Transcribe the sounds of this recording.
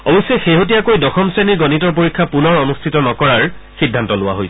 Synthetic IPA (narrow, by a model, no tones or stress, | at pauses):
ɔbɔsɛxeɦot̬iakojdɔxɔmseniɹɡɔnitɔɹpoɹikʰːapunɔɹɔnustʰitɔnɔkɔɹaɹ | xidʱːantɔlʊwa̰ɦojs